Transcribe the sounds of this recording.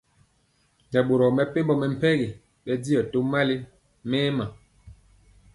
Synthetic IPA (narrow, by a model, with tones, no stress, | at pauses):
ɛ˨ɓo˨ɾɔ˨mɛ˨pe˦mbɔ˨mɛ˨m̩˨pɛ˦ɡi˨ | ɓɛ˦di˦jɔ˨to˦mːa˦li˦ | mɛː˦ma˨